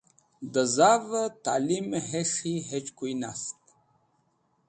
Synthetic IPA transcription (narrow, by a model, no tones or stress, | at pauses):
d̪əzavət̪a̰limɦeʂiɦet͡ʃkujnast̪